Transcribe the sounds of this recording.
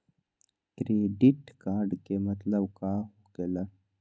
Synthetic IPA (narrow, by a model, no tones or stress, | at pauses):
kɾeːɖiʈkaːɾɖkemɐt̪ləbkaːɦoɡela